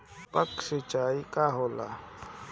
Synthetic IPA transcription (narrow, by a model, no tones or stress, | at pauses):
pəksɪt͡ʃaːikaɦoːla̰ː